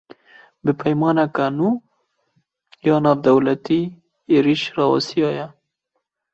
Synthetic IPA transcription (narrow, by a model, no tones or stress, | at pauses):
bɨpʰɛjmɑːnɛkanuː | jɑːnɑːvd̪ɐwlɐt̪iː | eːɾiʃrɑːwa̰sijɑːjɛ